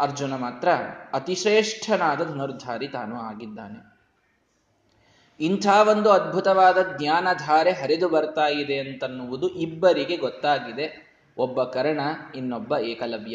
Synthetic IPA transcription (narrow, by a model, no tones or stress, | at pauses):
ɐɾd͡ʒunɐmaːt̪ɾɐɐt̪iʂɾeːʂʈʰɐnaːd̪ɐd̪ʱɐnɐɾd̪ʱaːɾit̪aːnuaːɡid̪ːa̰ːne̞ | int̪ʰaːʋond̪uɐd̪̚bʱut̪ɐʋaːd̪ɐd̪ɲaːnɐd̪ʱaːɾeɦɐɾed̪ubɐɾt̪aːjid̪e̞ɐnt̪ɐnːuʋud̪uʔibːɐɾiɡe̞ɡɔt̪ːaːɡid̪e̞ | ɔbːɐkɐɾɐɳɐinːobːɐɛːkɐlɐʋjɐ